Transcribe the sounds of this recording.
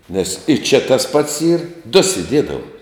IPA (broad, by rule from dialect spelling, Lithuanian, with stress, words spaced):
nʲɛs ɪ ˈt͡ʃʲɛ tɐs ˈpɐts ˈiːr dʊ sʲɪˈdʲiɛdɐʋɐ